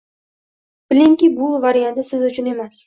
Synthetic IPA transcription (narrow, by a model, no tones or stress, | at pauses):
b̥ɪlɪŋkʲibʊvaɾijant̪ɪsɪzʊt͡ʃʰʊne̞mas